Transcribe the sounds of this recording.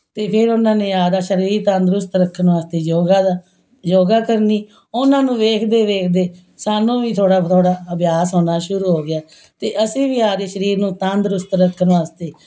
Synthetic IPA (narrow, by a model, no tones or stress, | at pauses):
t̪eːpʰɪɾʊnãːneːaːd̪aːʃəɾiːɾt̪ə̃nd̪ɾʊst̪ɾəkʰːənʋaːst̪eːd͡ʒoːɡaːd̪aː | d͡ʒoːɡaːkəɾniː | ʊnãːnũːʋeːkʰd̪eːʋeːkʰd̪eː | saːnõːʋiːt̪ʰoːɽaːt̪ʰoːɽaːəbjaːsɦoːnaːʃʊɾuːɦoːɡɪaː | t̪eːʔəsĩːʋiːaːd̪eːʃəɾiːɾnũːt̪ãnd̪ɾʊst̪ɾəkʰːənʋaːst̪eː